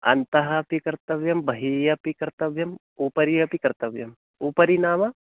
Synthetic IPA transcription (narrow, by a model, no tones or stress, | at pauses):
ɐ̰nt̪ɐɦɐpikɐɾt̪ɐʋjɐmbʱɐɦijɐpikɐɾt̪ɐʋjɐm | uːpɐɾijɐpikɐɾt̪ɐʋjɐm | upɐɾinaːmɐ